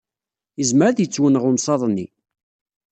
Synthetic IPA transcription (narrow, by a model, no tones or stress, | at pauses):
əzməɾaðjət͡sːwənəʁʊmsˤɑðˤnːi